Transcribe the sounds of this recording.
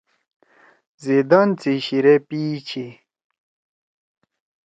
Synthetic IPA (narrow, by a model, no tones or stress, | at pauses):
zid̪ɐnt͡siɕiɾepiːt͡ɕʰi